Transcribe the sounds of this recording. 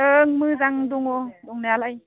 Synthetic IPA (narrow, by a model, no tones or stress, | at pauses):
əŋmɯzaŋd̪ʊŋodʊŋnɛlaj